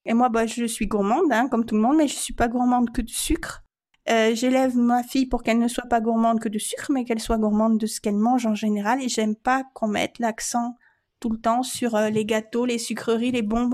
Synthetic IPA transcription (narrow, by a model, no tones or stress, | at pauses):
emwabaʒəsɥiɡuʁmɑ̃d̪ɛ̃kɔmt̪uləmɔ̃d̪mɛʒəsɥipaɡuʁmɑ̃d̪kəd̪əsykχ | øʒelɛvmafijpuʁkɛlnəswapaɡuʁmɑ̃d̪̚kəd̪əsykχmɛkɛlswaɡuʁmɑ̃d̪d̪ːəsə̥kɛlmɑ̃ʒɑ̃ʒeneʁaleʒɛmpakɔ̃mɛ̰t̪laksɑ̃ | t̪ulət̪ɑ̃syʁøleɡat̪olesykχəʁilebɔ̃b